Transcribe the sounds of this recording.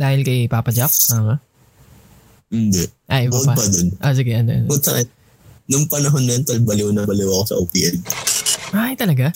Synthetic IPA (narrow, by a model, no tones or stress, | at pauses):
d̪aːhɪlkɐjpaːpɐd͡ʒap̚ːamɐ | ʔɪnd̪ɛʔʔɐjʔɪbad̪ɐpɐd̪onʔos̬ɪɡɛʔɐnoʔɐ̰npʊd̪̚sɐʔɛn | nʊŋpɐnɐɦonːɐɐnt̪ɐlbɐlɪwonɐbɐlɪwɐɐkosɐ̰ʔoːpiʔɛn | ʔajt̪ɐlɐɡa